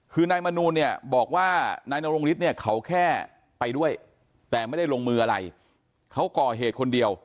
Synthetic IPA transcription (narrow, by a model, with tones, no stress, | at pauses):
kʰɯː˧naː˧jma˧nuː˧nːi˥˩ɐbɔː˨˩k̚waː˥˩naː˧jna˧wɾo˧ŋli˦˥t̪̚ni˥˩ɐkʰa˦˥wkʰɛː˥˩ | pa˧jdu˥˩əj | t̪ɛː˨˩ma˥˩jda˥˩jlo˧ŋmɯː˧ʔa˧ɾa˧j | kʰa˦˥wkɔː˨˩ɦeː˨˩t̪̚kʰo˧ndi˧əw